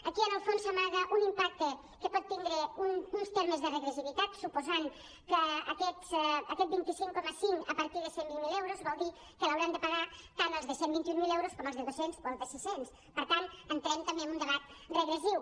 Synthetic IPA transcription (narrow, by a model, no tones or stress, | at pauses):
əkiənəlˠfonsamaɣəʔunimpak̚t̪ə | kəpɔt̪ːind̪ɾəununst̪eɾməzðərəɣɾəziβit̪at̪supuzaŋ | kəːkɛt̪səkɛt̪̚bint̪isiŋkɔməsiŋəpəɾt̪iðəsembiŋmilewɾozβɔlˠd̪i | kələwɾɛnd̪əpaɣat̪anəlˠzðəsembint̪iuŋmilewɾoskɔməlˠzðəðosenspoðəsisens | pəɾt̪anənt̪ɾɛmt̪əmbeəmund̪əβat̪̚rəɣɾəziw